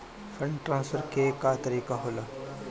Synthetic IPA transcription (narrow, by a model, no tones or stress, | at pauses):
fɾə̃ɳɖʈɾãːnsfəɾkekat̪əɾiːkaɦoːlaː